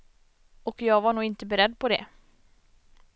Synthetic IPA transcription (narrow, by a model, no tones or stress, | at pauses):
ɔkjɑːɡvaɳuːɡɪnt̪əbɛɾɛd̪ːpʰɔd̪ɛ̰